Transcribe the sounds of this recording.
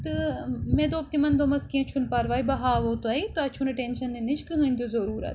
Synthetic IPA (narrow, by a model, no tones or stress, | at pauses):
t̪ɨmẽːd̪oːp̚t̪imɐnd̪oːmɐskĩẽt͡ʃʰunpaɾʋaːibɐɦaːʋoːt̪ɐit̪oɐt͡ʃʰunɐʈeːnʃɐnːenɪʃkɨɦə̃ːnd̪ʰjozɐɾuːɾɐ̰t̪